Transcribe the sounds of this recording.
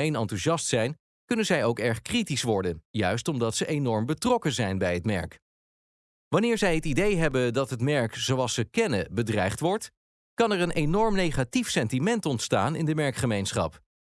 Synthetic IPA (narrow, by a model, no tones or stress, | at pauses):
ejnɑntyʒɑstsɛjn | kɵnənzɛjowkɛɹχkritisʋɔɹdənjœɥstɔmdɑtsəʔenɔɹmbətrɔkəzɛjnbɛjətmɛ̰ɹk | ʋɑnɪːɹzɛjɦətidejɦɛbədɑtɦətmɛɹkz̥owɑlˠsəkɛnəbədrɛjχtʋɔɹt | kɑnɛɹənʔejnɔɹmnejχatifsɛntimɛntɔntstaːnɪ̰ndəmɛɹkχəmejnsχɑ̰p